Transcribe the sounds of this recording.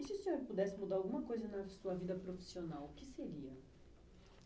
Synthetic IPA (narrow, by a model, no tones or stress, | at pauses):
ɪsɪʊsẽɲoɾpud̪ɛsɪmud̪aɾawɡũmɐkojzɐnɐsuɐvid̪ɐpɾofi̥sionawkɪseɾiɐ